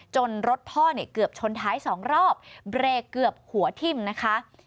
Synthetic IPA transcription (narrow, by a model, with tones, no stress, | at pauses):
t͡ɕo˧nɾo˦˥t̪̚pʰɔː˥˩ni˥˩əkɯ˨˩əp̚t͡ɕʰo˧nt̪ʰaː˦˥jsɔː˩˦ŋɾɔː˥˩p̚bɾeː˧kɯ˨˩əp̚hu˩˦ɐt̪ʰi˧˩mna˦˥kʰa˦˥ʔ